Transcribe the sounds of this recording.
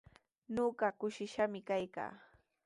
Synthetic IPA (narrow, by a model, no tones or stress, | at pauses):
ɲoɢɑkʊʃɪʃamɪkajka̰ː